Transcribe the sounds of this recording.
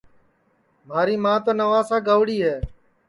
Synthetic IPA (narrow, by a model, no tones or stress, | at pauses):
m̤aːɾiːmãːt̪oːnəʋaːsãːɡəʋɽiːɦɛː